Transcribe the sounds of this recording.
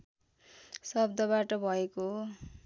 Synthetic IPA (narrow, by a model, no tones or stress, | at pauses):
sʌb̚d̪ʌβaʈʌbʱʌeko